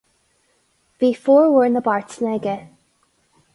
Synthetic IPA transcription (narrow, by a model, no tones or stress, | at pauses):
v̥ifɔːɹwəɹnəbaɹtnɛɡə